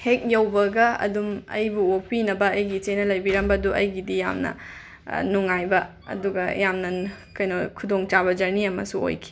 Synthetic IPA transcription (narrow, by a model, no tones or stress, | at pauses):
hek̚jɐwbɐɡɐɐ̰dumɐ̰jbuopinɐbɐɐjɡit͡ʃenɐlɐjbiɾɐmbɐduʔɐjɡidija̰mnɐ̰ | nuŋajbɐ | ɐ̰duɡɐjamnɐkɐjnokʰudoŋt͡ʃaβɐd͡ʒɐɾniɐmɐ̰suo̰jkʰi̥